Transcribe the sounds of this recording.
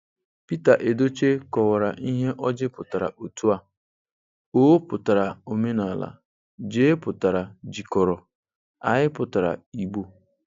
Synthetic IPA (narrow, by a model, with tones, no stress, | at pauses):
pi˦ta˨ʔe˨do˦t͡ʃe˦kɔ˨wa˨ɾa̰˨ʔi˦ɦe˦ʔɔ˦d͡ʒɪ˦pʊ˨ta˨ɾa̰˨ʔo˨tu˦a˦ | o˦o˦pʊ˨ta˨ɾa˨o˨me˦na˨la̰˨ | d͡ʒeː˦pʊ˨ta˨ɾa˨d͡ʒi˨kɔ˨ɾɔ˨ | a̰˨ɦɪ˦pʊ˨ta˨ɾa̰˨i˨ɡ͡bo˦